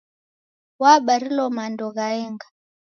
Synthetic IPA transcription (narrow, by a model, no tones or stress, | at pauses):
waɓaɾilɔmandɔɣaɛŋɡa